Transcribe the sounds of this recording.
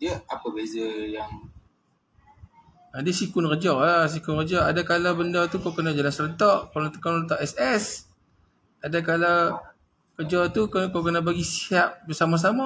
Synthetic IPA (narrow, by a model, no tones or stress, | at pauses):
diəapəbezəjaŋ | adiəsikʊnrəd͡ʒɔlas̬ikʊnrəd͡ʒɔadakalabəndat̪ukawkənad͡ʒalansəɾət̪ɔʔkowlot̪ə̥kɔnərət̪ɔʔɛsɛs | adakalaw | kəd͡ʒɔt̪ukəkawkənabaɡisiap̚bəsamas̬ama